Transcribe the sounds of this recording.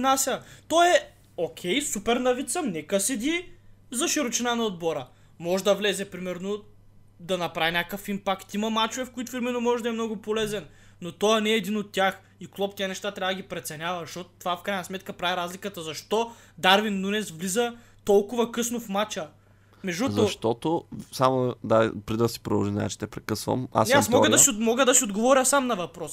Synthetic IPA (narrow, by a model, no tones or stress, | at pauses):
nasʲət̪ɔjɛ | okʲʰɛjsupɛɾnɐvit̪səmnɛkəsɛd̪ʲizɐʃiɾʊt͡ʃɛnanɐod̪̚bɔɾə | mɔʒɛd̪ɐvlɛzɛpɾimɛɾno | d̪ɐnɐpɾavinʲakəfimpakt̪imɐmat͡ʃovɛfkoit̪ʊ̥fiɾmɛnomɔʒɛd̪ɐɛmnɔɡʊpolɛzɛn | nːot̪ɔjnɛːd̪inot̪ːʲjax | iklˠɔp̚t̪iənɛʃt̪at̪ɾʲavəd̪ɐɡipɾɛt̪sɛnʲavɐzɐʃt̪ɔt̪ot̪ovafkɾajnɐsmɛt̪kəpɾaviɾazlʲikət̪əzɐʃt̪ɔ | d̪aɾvinːunɛsvlizə | t̪ɔlˠkʊvɐkɤsnofmat͡ʃə | mɛʒuzoɐʃt̪ɔt̪osamod̪apɾid̪əsi̥pɾod̪ɐlˠʒimnɛ̰t͡ʃɛ̥t̪ɛpɾɛkɤsvə̰ma̰snɛasmɔɡ̪siomɔɡəd̪ɐsiod̪ɡovɔɾʲəsamnɐvɐpɾɔs